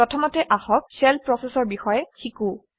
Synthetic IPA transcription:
ɹɔtʰɔmɔtɛʔaxɔk̚sɛlpɹɔsɛsɔɹbixɔjɛkʰiku

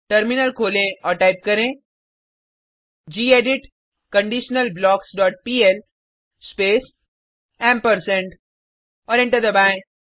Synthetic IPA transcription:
ʈəɾmɪnəlkʰoːlẽɔːɾʈaːɪp̚kɐɾẽ | d͡ʒiːeːɖɪʈ | kɐ̃ɳɖiːʃnəlblɔːksɖɔːʈ̚piːel | speːs | ɛ̃ːmpəɾsẽɳʈ | ɔːɾɪ̃ɳʈəɾd̪ɐbaːẽ

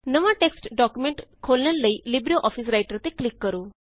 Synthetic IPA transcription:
nəʋãʈeksʈɖɔkjumẽɳʈkʰolnaɾləilibɾioʔɔfʰis̬ɾajʈəɾt̪eklikːəɾuː

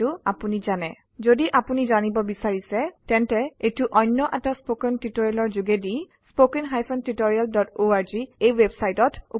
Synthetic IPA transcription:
ʊapunizanɛ | zodiʔapunizanibɔbisaɹisɛtɛntɛetʊʔɔjnːɔʔataspokɛntitoɹialɔɹzuɡɛdi | spokɛnɦajpʰɔntitɔɹialdɔtoaɹziejwebsajtɔtu

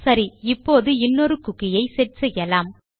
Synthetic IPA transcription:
sɐɾiɪpːoːðɯɪnːɔɾɯkʊkːɪjɐɪsɛʈsɛjːɐlaːm

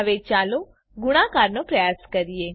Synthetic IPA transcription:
əʋet͡ʃaːlo | ɡʊɽ̃ãkaɾnopɾəjaːskəɾije

